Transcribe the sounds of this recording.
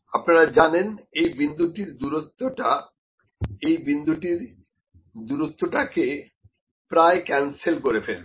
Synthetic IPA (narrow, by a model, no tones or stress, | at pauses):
apnaɾad͡ʑanenejbind̪uʈiɾd̪uɾot̪ːoʈa | ejbind̪uʈiɾ | d̪uɾot̪ːoʈake | pɾaekɛnselkoɾefel